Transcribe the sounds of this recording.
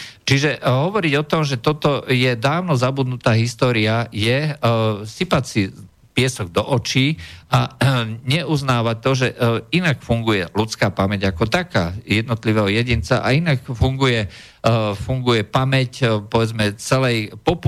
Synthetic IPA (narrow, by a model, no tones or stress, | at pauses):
t͡ʃiʒɛɦɔʋɔɾiɟɔt̪ɔmʒɛt̪ɔt̪ɔjɛd̪aːʋnɔzabud̪nut̪aːɦist̪ɔːɾiajɛ | sipacsi | pɪɛsɔɡd̪ɔʔɔt͡ʃiːaɲɛʔuznaːʋac̚t̪ɔʒɛinakfuŋɡujɛlut͡skaːpamɛɟakɔt̪akaːjɛd̪nɔt̪liʋɛɦɔjɛɟint͡sa̰ʔa̰inakfuŋɡujɛ | fuŋɡujɛpamɛcpɔʋɛd͡zmɛt͡sɛlɛjpɔp